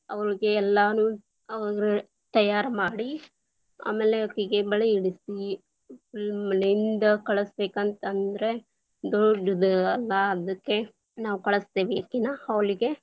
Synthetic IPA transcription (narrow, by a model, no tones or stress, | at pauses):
ɐ̰ʋɐɾiɡe̞ːlːaːnuː | ɐɡɐɾe | t̪ɐjaːɾɐmaːɽi | a̰ːmeːleɐkːiɡebɐɭeiɽisi | filmɐlind̪ɐkɐɭɐsbeːkɐnt̪ɐnd̪ɐɾe̞ | d̪ɔɖɐd̪ɐlːɐːd̪ɐkːe̞ | naːʋukɐɭɐst̪eːʋiɐkːinaːɐʋɐɭiɡe̞